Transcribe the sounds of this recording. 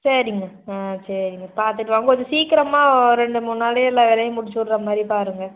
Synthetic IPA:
sɐɾɪŋɡɐ | ãːsɐɾɪŋɡɐpaːɾt̪ɯʈːʋaːŋɡɐkɔɲd͡ʒɐ̃siːkɪɾɐmaːɾɛɳɖɯmʊnːaːleɛlːãːʋɛlɐjɐmʊɽɪt͡ʃːɔɽɾɐmaːd̪ɾipaːɾɯŋɡɐ

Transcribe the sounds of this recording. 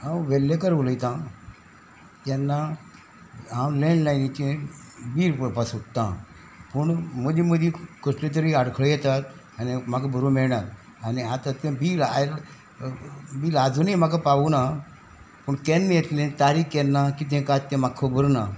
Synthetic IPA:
ɦãwʋeljekəɾʋələjt̪ã | t̪jɛnːa | ɦãwlẽɳɖlajnit͡ɕẽbiːɾpəpasut̪ːã | pəɳməd͡ʑĩməd̪ĩkəʂʈlet̪̬əɾiaɽkʰɭəjɛt̪at̪ | animakabʱəɾomɛɭɳat̪ | aniat̪ãt̪ẽbiːlal | biːlad͡zunimakapaʋuna | pəɳkenːejɛt̪lẽt̪aɾikkelːakit̪̬ẽkat̪ːẽmakʰːəbəɾna

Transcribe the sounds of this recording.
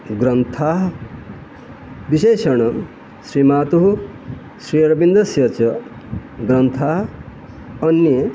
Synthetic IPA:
ɡɾɐnt̪ʰaːɦ | biʃeːʃɐɳ̃ɐ | sɾimaːt̪uɦu | sɾiːɐɾɐbind̪ɐsjɐt͡ʃɐ | ɡɾɐnt̪ʰaːɦ | ɐnːi

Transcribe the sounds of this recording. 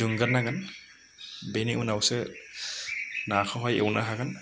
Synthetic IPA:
uŋɡaɾnaɡan | bejniʔunawsɛ | naxʰɔɦɔjḛwnaɦaɡan

